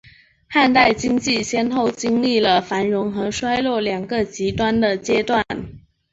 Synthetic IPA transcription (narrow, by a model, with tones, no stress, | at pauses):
xa˥˧nt̪a˥˩ɪt͡ɕi˥ŋt͡ɕi˥˩ɕjɛ˥nt̪o˥˩ʊt͡ɕi˥ŋli˥˩lə˩fa˧˥nɻʊ˧˥ŋxɤ˧˥ʂwa˥ɪlwɔ˥˩ljɑ˨˩ŋɡə˨t͡ɕi˧˥t̪wa˥nd̪ə˨t͡ɕjɛ˥t̪wa˥˨˩n